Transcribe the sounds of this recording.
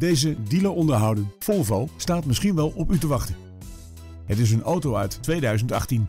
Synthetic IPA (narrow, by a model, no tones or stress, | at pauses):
dejzədiləɔndəɹɦɑwdənfɔlˠvɑlˠstaːtmɪsχinʋɛlˠɔpytəʋɑχtən | ɦətɪs̬ənowtowœɥtːʋejdœɥzəntɑ̰χtin